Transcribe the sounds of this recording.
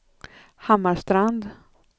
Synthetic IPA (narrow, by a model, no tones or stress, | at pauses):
hamːaʂt̪ɾand̪